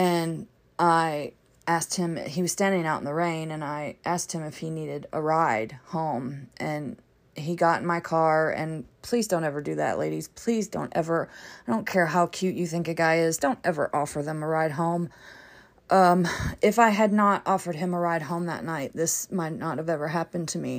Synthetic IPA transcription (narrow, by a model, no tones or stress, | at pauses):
ɨ̃n | ʔaɪ | ʔæst̚hɨ̃m̰iwʌz̥stæ̃ndɪ̃ŋaʊʔn̩ðəɹẽɪ̃nɨ̃naɪʔæst̚hɨ̃mɨfhiniɾɨɾə̰ɹaɪd̥̚hõʊ̃mʔɨ̃n | iɡɑɾn̩maɪkʰɑɹɨ̰̃npʰl̥izdõʊ̃ntɛvə˞dɨðɨ̰ʔlḛɪɾiz̥pʰl̥izdõ̰ʊ̃ntɛvə˞aɪdõʊ̃nkʰɛɹɦaʊkʰj̥ʉt͡ʃɨθɪ̃ŋkɨɡaɪɪzdõʊ̃ntɛvə̰˞ʔɔfə˞ðə̃məɹaɪd̚ɦõʊ̃m | ʔʌ̃mɨfaɪɨdⁿnəɾɔfə˞d̚ɨ̃məɹaɪd̚ɦõʊ̃mðə̰tⁿnaɪt̪̚ðɪsmaɪtⁿnət̚hɨvɛvə˞ɦæpɨ̃ntʰɨmi